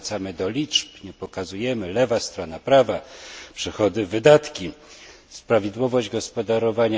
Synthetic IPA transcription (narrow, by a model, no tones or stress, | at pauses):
t̪samɘd̪ɔlʲit͡ʂpɲɛpɔkazujɛmɘlɛvast̪ɾɔnapɾavapʂɛxɔd̪ɘvɘd̪at̪kʲi | spɾavʲjid̪wɔvɔʑd͡ʑɡɔspɔd̪aɾɔvaɲa